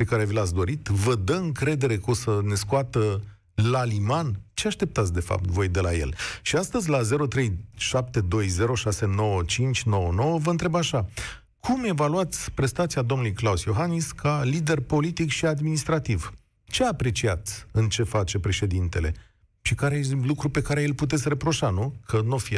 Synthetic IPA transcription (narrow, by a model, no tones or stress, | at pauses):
pe̞kaɾe̞vilat̪sd̪o̞ɾit̪vəd̪əɨŋkɾe̞d̪e̞ɾe̞kosəne̞skuat̪ə | lalimant͡ʃe̞aʃt̪e̞p̚t̪at̪sʲd̪e̞fa̰p̚t̪vo̞jd̪e̞lajḛlʃiast̪əzʲlaze̞ɾo̞t̪ɾe̞jʃap̚t̪e̞d̪o̞jze̞ɾo̞ʃase̞no̞wət͡ʃint͡ʃʲno̞wənowəvəɨnt̪ɾe̞baʃa | kʰume̞valuat̪sʲpɾe̞st̪at̪siad̪o̞mnulujklausjo̞ɦaniskalid̪e̞rpo̞lit̪ikʃiad̪minist̪ɾat̪iv | t͡ʃe̞apɾe̞t͡ʃiat̪sʲɨnt͡ʃe̞fat͡ʃe̞pɾe̞ʃe̞d̪int̪e̞le̞ | ʃikaɾejlukɾupe̞kaɾejelput̪̬esʲɾe̞pɾo̞ʃanukʰənofi